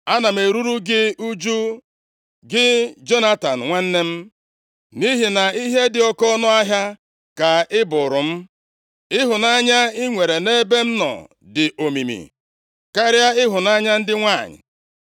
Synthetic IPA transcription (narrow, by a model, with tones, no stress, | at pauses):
a˦na˨me˨ɾu˦ɾu˦ɡɪ˦u˦d͡ʒu˦ | ɡɪ˦d͡ʒo˦na˦ta˨n̩˨ŋʷa˦n̩˦ne˦m̩˦ | ni˦ɦi˨na˨i˦ɦe˦dɪ˨ɔ˦kɔ˦nɔ˦a˦ɦja˦ | ka˨ɪ˦bʊ˨ɾʊ˨m̩˦ | ɪ˦ɦʊ˨na˦ɲa˦ɪ˦ŋʷe˨ɾe˨ne˦be˦m̩˦nɔ̰˨ | dɪ˨ʔo˨mḭ˨mḭ˨ | ka˦ɾja˦ɪ˦ɦʊ˨na˦ɲa˦n̩˦dɪ˦ŋʷa˦˨ɲɪ̰˨